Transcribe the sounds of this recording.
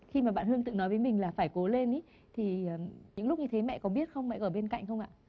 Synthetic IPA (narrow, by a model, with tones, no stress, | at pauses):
xi˧maː˨˩ɓa̰ː˧˨nhɨ˧əŋt̪ɨ̰˧˨nɔ˨˦jvəː˨˦jmï˨˩ŋ̟laː˨˩faː˧˩jko˨˦le˧ni˨˦ | t̪ʰi˨˩əː˨˩ɲɨ̰˧˥ŋlʊ˦˥k͡p̚ɲɨ˧t̪ʰe˨˦mɛ̰˧˨kɔ˨˦ɓi˦˥ət̚xə˧wŋ͡mmɛ̰˧˨ʔəː˧˩ɓe˧nka̰˧˨jŋ̟xə˧wŋ͡mʔa̰ː˧˨